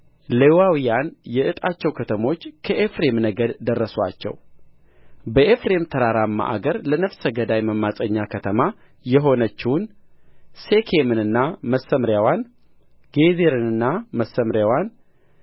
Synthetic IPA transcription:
lewawijanjɛʔɨt̪ʼat͡ʃːɛwkʰət̪ʰəmo̞t͡ʃːkʰəʔefɾe̞mnəɡəd̪d̪ərːəswa̰t͡ʃːɛ̰w | bəʔefɾe̞mt̪ʰəɾaɾamːa̰ʔa̰ɡəɾlənəfsəɡəd̪ajməmːasʼəɲːakʰət̪ʰəma | jɛɦo̞nət͡ʃːɪwʊn | se̞kʰemɨnɨnːaməsːəmɾjawan | ɡ̥ezeɾɨnɨnːaməsːəmɾjawan

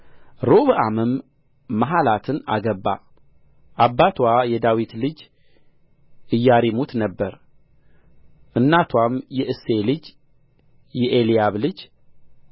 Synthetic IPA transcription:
ɾoβɨʔamɨmː | aɦalat̪ʰɨna̰ɡəbːa̰ | ʔabːat̪ʰwajɛd̪awit̪lɨd͡ʒ | ɨjːaɾimut̪nəbːəɾ | ʔɨnːat̪ʰwamjɛʔɨselɨd͡ʒ | jɛʔelijaβlɨd͡ʒ

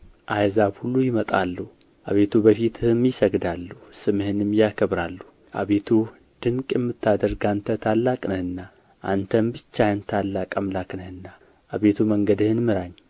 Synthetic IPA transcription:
ʔajzabhulːujɪmət̪ʼa̰lːəhu | ʔa̰βe̞t̪ʰubəfit̪ʰhɨmjɪsəɡd̪alːuhusɨmhɨnɨmjakʰəβɾalːu | ʔa̰βet̪ʰu | d̪̥ɨŋkʼjɛmːɨt̪ːad̪əɾɡant̪ʰət̪ʰalːakʼnəhɨnːa | ʔant̪ʰəmbɨt͡ʃːajɨnt̪ʰalːakʼəmlakʼnəhɨnːa | ʔaβe̞t̪ʰuməŋɡəd̪ɨhɨnmɨɾaɲː

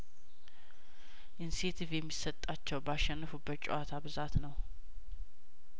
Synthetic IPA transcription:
ʔinset̪ʰivjɛmːisət̪ʼːat͡ʃːɛwbaʃːɛnːəfubːət͡ʃʼɛ̰wat̪ʰabɨzat̪nəw

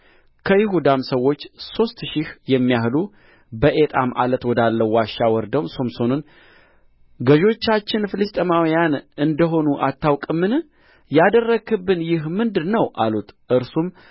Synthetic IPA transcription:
kʰəjɪɦud̪amsəwːo̞t͡ʃːso̞st̪ʃɪhjɛmːijahlu | bəʔe̞t̪ʼamʔa̰lət̪wɔd̪alːəwaʃːawɔɾd̪əwmso̞mso̞nun | ɡəʒo̞t͡ʃːat͡ʃːɪnfɨlɨst̪ʼəmawijanɨnd̪əɦo̞nuʔat̪ʰːawkʼɨmːɨn | jad̪ərːəɡɨbːɨnjɪɦmɨnd̪ɨnəwʔalut̪ʔɨɾsum

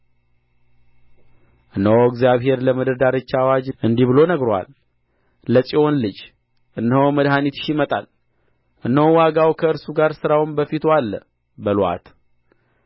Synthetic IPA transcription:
ʔɨnːəwɨɡzjaβɦe̞ɾləməd̪əd̪aɾɨt͡ʃːawad͡ʒʔɨnd̪iβɨlo̞nəɡɾoa̰l | ləsʼio̞nlɨd͡ʒ | ʔɨnːəhəwməd̪ɦanit̪ʃimət̪ʼa̰l | ʔɨnːəwwaɡawkʰəɨɾsuɡaɾsɨɾawɨnbəfit̪ʰoalːə | bəlwa̰t̪

